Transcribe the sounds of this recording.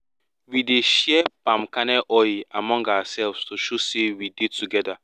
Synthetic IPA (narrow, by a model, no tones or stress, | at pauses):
wideʃɛpãmkanɛʔɔamɔ̃ŋɡawasɛlvstoʃosewidetuɡɛda